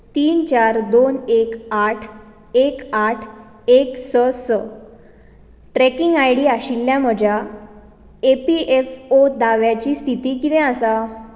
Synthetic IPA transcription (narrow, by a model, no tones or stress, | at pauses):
t̪iːnt͡ɕaɾd̪onekaʈʰ | ekaʈʰ | eksəsə | ʈɾɛkiŋɡajɽiːaɕilːjam̤əd͡ʑʱja | epiʔefod̪aʋjat͡ɕiːst̪ʰit̪iːkit̪ɛ̃asa